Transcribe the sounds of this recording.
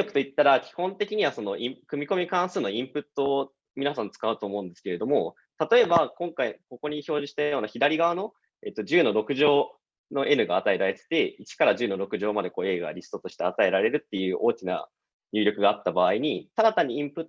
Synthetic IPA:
okɯ̟̥oit̪ːaɾakʲi̥hõ̞nt̪e̞kʲiɲ̟iβaso̞no̞ʔikɯ̟mʲiko̞mʲikãɰ̃sɨːno̞ĩmpɯ̟t̪ːo̞ː | mʲinasãnt͡sɨ̥kaɯ̟t̪o̞ːmo̞ɯ̃nd̪esɨ̥ke̞ɾe̞d̪o̞mo̞ | t̪at̪o̞e̞bakõ̞ŋkaiko̞ko̞ɲ̟iço̞ːʑiɕi̥t̪ajo̞ːnaçid̪aɾʲiɡaβano̞ | e̞̰t̪ːo̞d͡ʑɨːno̞ɾo̞kɯ̟ʑo̞ː | no̞ʔe̞nɯ̟ɡaːt̪ae̞ɾaɾe̞t̪e̥t̪e̞it͡ɕi̥kaɾaʑɨːno̞ɾo̞kɯ̟ʑo̞ːmad̪e̞ko̞ːe̞ːɡa̰ɾʲisɨ̥t̪o̞t̪o̞ɕi̥t̪e̞at̪ae̞ɾaɾe̞ɾɯ̟t̪ːe̞jɯ̟ːʔo̞ːkʲina̰ | ɲʲɨːɾʲo̞kɯ̟ɡaːt̪ːabaːiɲ̟it̪aɾat̪aɲ̟iĩmpɯ̟t̪ː

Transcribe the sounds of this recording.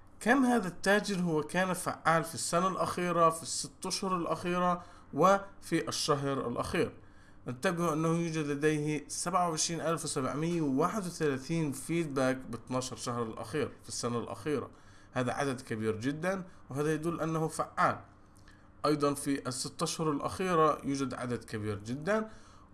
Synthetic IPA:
kaːmhaːðat̪ːaːd͡ʒɪɾɦʊwːakaːnafa̰ʕːaːlfisːanalʔaxiːɾafisːɪt̪ːaʃhʊɾˤalʔaxiːɾa | wɪfiʔaʃːaɦɾa̰lʔa̰xiːɾ | ʔɪt̪ːabɪʔɪnːahʊjuːd͡ʒad̪lad̪ejhsabʕawʕɪʃɾiːnʔalfwɪsabʕmɪjːawɪwaːħɪd̪wɪθalaːθiːnfiːd̪̚baːkbɪt̪ˤnɑːʃɑɾˤʃahɾˤalʔa̰xiːɾfisːanalʔa̰xiːɾa̰ | haːða̰ʕa̰d̪ad̪kabiːɾd͡ʒɪd̪ːanwɦaːðajad̪uːlʔanːahufaʕːaːl | ʔɑjd̪ˤɑnfiʔɪsːɪt̪ːaʃhʊɾˤalʔa̰xiːɾajuːd͡ʒad̪ʕa̰d̪ad̪kabiːɾd͡ʒɪd̪ːan

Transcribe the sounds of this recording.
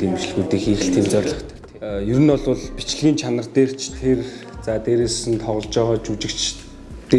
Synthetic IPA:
iːmit͡ɕ̆ɮɣuːt̪eːxiːɾɘ̆ɬt̪ʰeːmt͡sɔːrɮə̆χt̪ʰ | jɵɾɘ̆nɔɮʊɮpit͡ɕ̆ɮɘ̆ɣʲiːnt͡ɕʰanə̆rt̪eːr̥t͡ɕʰt̪ʰert͡saːt̪eːɾeːsɘ̆nt̪ʰɔʁɞ̆ɬt͡ɕɔːʁɔːt͡ɕut͡ɕɪ̆kt͡ɕ | t̪e

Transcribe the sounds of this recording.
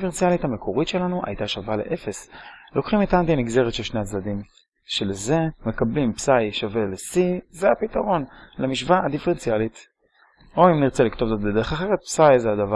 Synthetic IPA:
feʁent͡sialithame̞kʰo̞ʁit̪ʃe̞lanuʔa̰jt̪aʃavalḛʔe̞fe̞slo̞kχimet̪ant̪iamiɡze̞ʁet̪ʃelʃneat͡sdadim | ʃe̞leze̞me̞kablimpsajʃave̞lesizeapit̪aʁo̞nlemiʃvaad̪ifeʁent͡sialit̪ | o̞imniʁt͡se̞likt̪o̞vzo̞t̪bede̞eχaχeʁet̪̚psajzeadava

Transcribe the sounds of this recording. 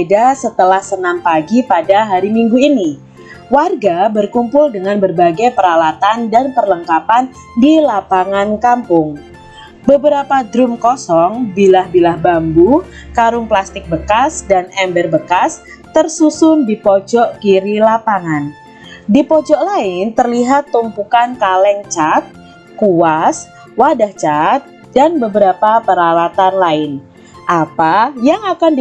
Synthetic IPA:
dasət̪əlahsənampaɡipadaɦaɾimiŋɡuini | warɡabərkumpʊldəŋanbərbaɡajpəɾalat̪andanpərləŋkapan | dilapaŋankampʊŋ | bəbəɾapadɾʊmkɔsɔŋbilahbilahbambukaɾʊŋplast̪ɪk̚bəkasdanɛmbərbəkas | t̪ərsusʊndipɔd͡ʒɔʔkiɾilapaŋan | dipɔd͡ʒɔʔlaɪnt̪ərliɦat̪ːumpukankalɛŋt͡ʃat̪̚ | kuas | wadaht͡ʃat̪̚ | danbəbəɾapapəɾawat̪anlaɪn | ʔapajaŋakand

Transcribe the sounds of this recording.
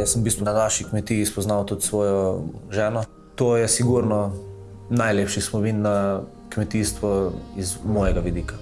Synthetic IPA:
jasəmbist̪ʋunanaːʃikmɛt̪iːspɔznawt̪ut̪sʋɔːjɔʒɛːnɔ | t̪oːjɛsiɡuɾnɔ | najleːpʃismɔmiːnːa | kmɛt̪iːst̪ʋɔizmɔjɛɡaʋid̪iːka

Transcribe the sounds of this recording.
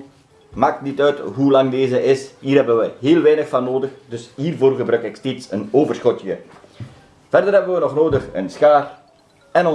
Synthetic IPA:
maːk̚tnitœɥtɦulɑŋdeːzəʔɪshiːrɦɛbənʋəɦeːlˠʋɛːnəxfɑnːoːdəxdɵshiːrvoːrɣəbrœkɪksteːtsənoːvərsxɔtjə | v̥ɛrdərɦɛbənʋənɔxnoːdəxə̰nsxaːr | ɛnɔ

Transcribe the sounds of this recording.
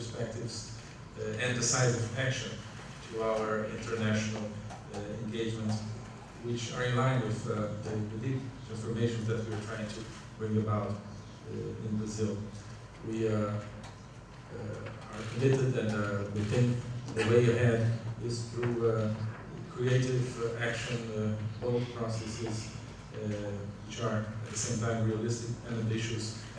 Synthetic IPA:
ə˞spɛk̚tɪvz̥ | ɨ̃nðɨsaɪzʌvækʃɨ̃n | tʰuaʊə˞ɪ̃ntʰə˞næʃnl̩ˠ | ɛ̰̃nɡeɪd͡ʒmə̃nts | wɪt͡ʃə̰˞ɨ̃nlãɪ̃nwɪððɨðɨdip̚ | ɛ̃nfə˞meɪʃɨ̃nðɨt̚wiə˞tʰɹ̥aɪɪ̃ŋtʰɨ | b̥ɹɪ̃ŋəbaʊt | ɪ̰̃nbɹɨzɪlˠ | wi | ə˞kʰɨ̃mɪɾɨd̪̚ɨ̃nwɪθɪ̃nðɨweɪɨɦæ̃ndɪz̥θɹu | kʰɹ̥ieɪɾɪvækʃɨ̃nboʊlˠpʰɹ̥ɔsɛsɪz | wɪt͡ʃə˞ɨt̪̚ðəsẽɪ̃mtʰãɪ̃mɹiəlɪstɪkɨ̃nɨ̃mbɪʃɨs

